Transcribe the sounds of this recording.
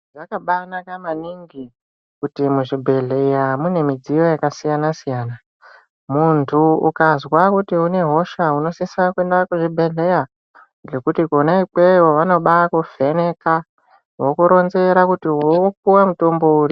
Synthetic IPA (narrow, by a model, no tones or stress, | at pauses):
ʐakaɓanakamaniŋɡi | kutimuʐibʱe̞ɮe̞jamune̞mid͡zijo̞jakasijanasijaːna | muntʰuṵkazwakutiune̞ɦo̞ʃauno̞sisakue̞ndakuʐibʱe̞ɮe̞ja | ʐo̞kutikonaik͡pewoʋano̞ɓakufene̞ka | wo̞kuɾo̞nze̞ɾakutiwok̚uwamuto̞mbo̞uːri